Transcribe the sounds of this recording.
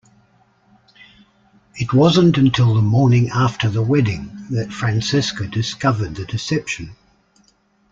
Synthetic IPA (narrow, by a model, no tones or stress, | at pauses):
ɪtwɒzə̃ntə̃ntʰɪlˠðəmɔɹnɪ̃ŋaˑftʰəðəwɛdɪ̃ŋðətfɹæ̃nsɪskədɪskʌvəd̪̚ðɨdɪsɛpʃə̃n